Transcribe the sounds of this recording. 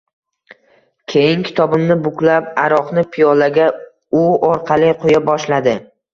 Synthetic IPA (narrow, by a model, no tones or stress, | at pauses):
kʲʰejɪŋkʲʰɪ̥t̪ʰɒbɪmnɪbʊkʲlap̚aɾɒqnɪpʰijɒlaɡʲa | ʊɒɾqʰɑlɪqʰojabɒʃlad̪ɪ